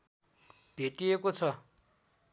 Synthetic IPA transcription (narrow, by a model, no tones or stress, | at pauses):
b̥ʱeʈiekot͡sʰʌ